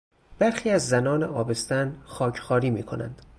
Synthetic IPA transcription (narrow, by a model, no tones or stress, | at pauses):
b̥æɾxiːæzːænɒːneʔɒːbe̞st̪ænxɒːcʰxɒːɾiːmiːkʰonæ̰nd̪̥